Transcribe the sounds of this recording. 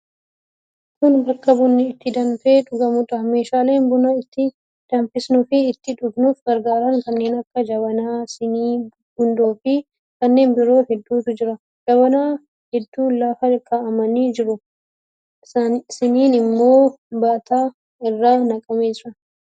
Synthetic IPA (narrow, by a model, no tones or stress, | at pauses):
kʊnbɐkːɐbʊnːɪɪt̪ːɪd̪ɐnfe̞ːᶑʊɡɐmʊᶑ̪ɐme̞ːʃaːle̞ːnbʊnɐɪt̪ːɪ | d̪̥ɐnfɪsnʊfɪːt̪ːɪᶑʊɡnuːfɡɐɾɡaːɾɐŋkɐnːe̞ːnɐkːɐd͡ʒɐβɐnaːsː | bʊnd̪oːfɪ | kɐnːe̞ːnbɪɾo̞ːhɛd̪ːuːsʊd͡ʒɪɾɐ | d͡ʒɐbɐnaː | hɛd̪ːuːnlaːfɐkʰːaʔɐmɐniːd͡ʒɪɾʊ | sɪniːnɪmːo̞ːbaːt̪aː | ɪrːaːnɐkʼɐmeːd͡ʒɪɾɐ